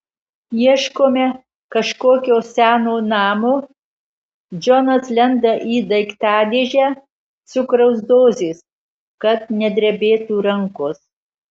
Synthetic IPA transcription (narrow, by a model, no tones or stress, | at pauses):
jiɛʃkoːmʲɛ | kɐʃkoːkʲoːsʲæːnoːnɑːmoː | d͡ʒɔnɐslʲɛnd̪ɐʔiːd̪ɐɪkt̪ɑːd̪ʲeːʒʲæː | sʊkɾɐʊsd̪oːzʲeːs | kɐt̪̚nʲɛd̪ʲɾʲɛbʲeːt̪uːɾɐŋkos